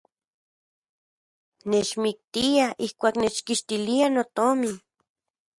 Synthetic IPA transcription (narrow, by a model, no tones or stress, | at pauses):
net͡ʃmik̚t̪iaʔihkʷaːknet͡ʃkiʃt̪ilianot̪omi